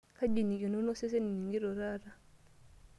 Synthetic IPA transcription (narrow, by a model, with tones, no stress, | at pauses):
ka˦d͡ʒi˨ni˨ɡi˨no˦nɔ˦se˦s̬e˦ni˨ni˨ŋɡi˦ɾɔ˨ɾa˦ɾa˦